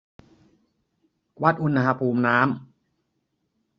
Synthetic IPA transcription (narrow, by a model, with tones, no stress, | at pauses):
wa˦˥t̪̚ʔu˧nɦa˧pʰuː˧mnaː˦˥m